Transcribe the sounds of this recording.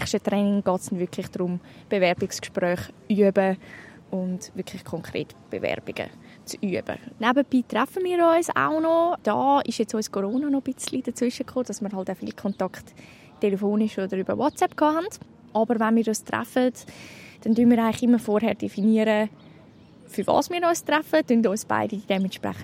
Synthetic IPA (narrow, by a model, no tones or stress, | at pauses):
χʃtətɾɛːnɪŋɡ̥ɑːtsd̥ɛnvʏkʰlɪχd̥ɾʊmb̥evɛɾbɪkskʃpɾœːχ | yəbə | ʊndvʏkʰlɪχkʰɔŋkʰɾḛːtb̥ḛvɛ̰ɾb̥ɪɡ̥ə̰ | t͡syəb̥ə̰nɛbəbiːtrɛfənmiːɾɔʏsa̰ʊnɔd̥ɑːɪʃjɛt͡sɔʏskʰoɾoːnɑnob̥ɪt͡slid̥ət͡svʏʃəkʰχoːd̥ɑsmiːɾɦɑlˠtaʊfḭːlkʰɔntɑkχtː | elefoːnɪʃodəɾybə̰wɔtsɛpkʰɑːɦand̥ | ʔɑbəɾvanmiːɾɔɪstrɛ̰fətd̥ɛndynmiːɾaɪlɪχɪmːəɾfoɾɦɛɾd̥efiniəɾə | fyɾvɑ̰ːsmiːɾɔʏstɾɛfədyndɔʏsb̥a̰ɪdid̥ɛmɛntʃpɾɛ̰χə